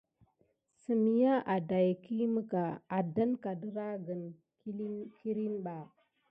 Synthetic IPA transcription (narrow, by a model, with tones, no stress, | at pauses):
sə˨mi˨ja˦ʔa˨da˨jki˦mə˦ka˨a˨da˦nka˨də˦ɾa˦ɡə˨n˦ | kʰi˦ɾi˦nɓa˨